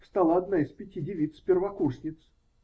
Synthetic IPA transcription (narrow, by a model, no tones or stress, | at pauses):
fst̪alˠaɐd̪naɪspʲɪtʲidʲɪvʲit̪spʲɪrvɐkuʂnʲɪt̪s